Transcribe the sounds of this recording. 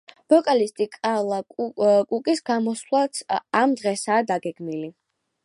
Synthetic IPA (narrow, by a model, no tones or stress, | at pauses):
b̥ɔkʼalist̪ʼikʼalˠakʼukʼisɡamɔslˠatamd̪ʁɛsaːd̪aɡɛɡ̥mili